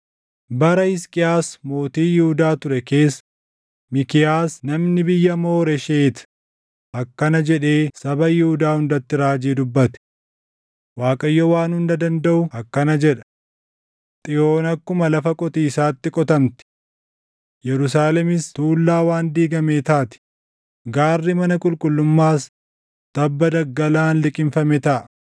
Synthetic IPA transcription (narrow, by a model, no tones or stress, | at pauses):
bɐɾɐhɪskʼɪjaːsmo̞ːt̪iːjɪhʊd̪aːt̪ʊɾɛke̞ːsː | mɪkɪjaːsnɐmnɪbɪjːɐmo̞ːɾɛʃeːt̪ɐ̥ | ɐkːɐnɐd͡ʒɛᶑe̞ːsɐbɐjɪhʊd̪aːhʊnd̪ɐt̪ːɪɾaːd͡ʒiːd̪ʊbːɐt̪ɛ̥ | waːkʼɐjːɔwaːnhʊnd̪ɐd̪ɐnd̪ɐʔʊɐkːɐnɐd͡ʒɛᶑɐ̥ | t̪ʼɪjo̞ːnɐkːʊmɐlɐfɐkʼɔt̪iːsaːt̪ːɪkʼɔt̪ɐmt̪ɪ̥ | jɛɾʊs̬aːlɛmɪst̪uːlːaːwaːnd̪iːɡɐmeːt̪aːt̪ɪ̥ | ɡaːrːɪmɐnɐkʼʊlkʼʊlːʊmːaːs | t̪ɐbːɐd̪ɐɡːɐlaːnlɪkʼɪnfɐmɛt̪ɐʔɐ